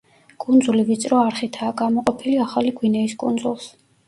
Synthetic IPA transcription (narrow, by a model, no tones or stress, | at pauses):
kʼund̪zulivit̪sʼɾɔaɾχit̪ʰaːɡamɔqʼɔpʰiliaχaliɡwinɛiskʼund̪zulˠs